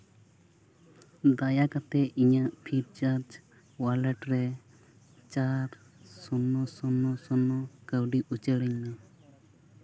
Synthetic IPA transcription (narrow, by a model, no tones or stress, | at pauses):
d̪ajakat̪ɛʔiɲaʔpʰiɾ̚t͡ʃaɾd͡ʒ | walɛʈɾɛ | t͡ʃaɾ | sunːɔsɔnːɔsɔnɔkəwɖiʔut͡ʃəɽiɲnɛ